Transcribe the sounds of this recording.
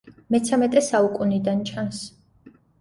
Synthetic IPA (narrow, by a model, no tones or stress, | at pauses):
mɛt̪sʰamɛt̪ʼɛsaukʼunid̪ant͡ʃʰans